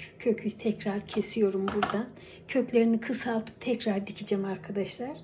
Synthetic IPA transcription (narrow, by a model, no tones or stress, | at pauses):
cʰø̞cʰyjt̪ʰɛcɾaɾcʰe̞sijo̞ɾumbuɾd̪an | cʰø̞clʲe̞ɾinikʰɯsalˠt̪ʰɯ̥p̚t̪ʰɛcɾaɾd̪icʰid͡ʒɛmaɾkʰad̪aʃlˠaɾ̥